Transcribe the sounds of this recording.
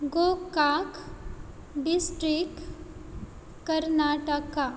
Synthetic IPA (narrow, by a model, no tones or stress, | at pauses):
ɡokak | ɖisʈɾik | kəɾnaːʈəka